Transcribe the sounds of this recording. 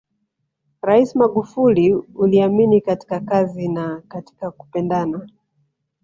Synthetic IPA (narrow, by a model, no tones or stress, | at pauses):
ɾaismaɠufuliuliaminikati̥kakazinakati̥kaku̥pɛndana